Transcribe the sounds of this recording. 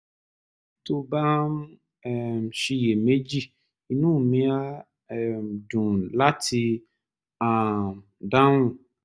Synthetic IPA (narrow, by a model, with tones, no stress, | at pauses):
to˧ba˦m | ɛ˨m˨ʃi˧je˨me˦d͡ʒi˦˨ | i˨nũ˦˨mĩ˦a˦ | ɛ˨m˨dũ˨la˦ti˧ | a˨m | dã˦nũ˦˨